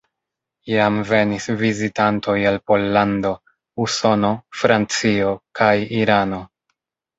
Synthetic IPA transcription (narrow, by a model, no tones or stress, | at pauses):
jamve̞nisvizitantʰo̞jalpo̞lːando̞ | uso̞no̞fɾant͡sio̞kʰajiɾano̞